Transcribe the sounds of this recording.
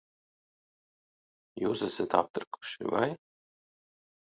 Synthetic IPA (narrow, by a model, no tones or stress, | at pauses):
juːsɛsʲɛt̪a̰p̚t̪ɨɾku̥ʃḭva̰j